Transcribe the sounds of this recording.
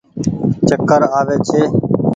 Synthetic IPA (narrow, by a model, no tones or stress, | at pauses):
t͡ʃəkəɾaːʋeːt͡ʃʰeː